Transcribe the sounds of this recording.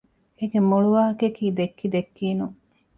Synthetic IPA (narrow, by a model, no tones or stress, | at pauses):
eɡemuɭuʋaːɦɐkekiːd̪ekːid̪ekːiːnuŋ